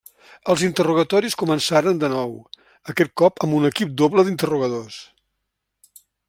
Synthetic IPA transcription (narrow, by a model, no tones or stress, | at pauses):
əlˠzint̪əruɣ̞ət̪ɔɾiskumənsaɾənd̪ənɔw | əkɛt̪̚kɔpəmbunəkip̚d̪oβləðint̪əruɣəðos